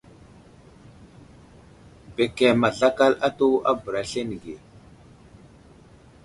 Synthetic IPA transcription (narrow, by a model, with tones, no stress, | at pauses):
be˨ke˨ma˨ɮa˦ka˦la˦to˦a˦bə˨ɾa˨ɬe˦ni˨ɡe˨